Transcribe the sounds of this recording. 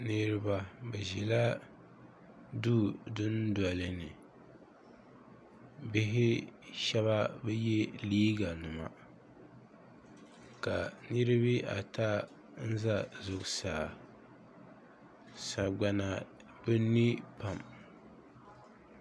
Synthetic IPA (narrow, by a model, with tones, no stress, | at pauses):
nɨ˦ɾɨ˦ba˨bɛ˨ʒɛ˨la˦ | duː˦dʊ˦nda˨lɨ˨nɨ˨ | bɪ˦ɦɪ˦ʃɛ˦βa˦bɛ˦jɛ˦liː˦ɡa˨nɨ˨ma̰˨ | ka˨nɨ˦ɾɨ˦βi˦ʔa̰˨ta˦ | n̩˦za˦zʊ˨ksaː˨ | sa˨ɡ͡ba˨na˨ | bɨ˦nːi˦pa˨m